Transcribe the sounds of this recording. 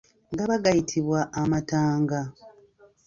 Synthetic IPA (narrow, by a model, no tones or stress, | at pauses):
ŋɡaβaɡajitʰiβwaʔːmataːŋɡa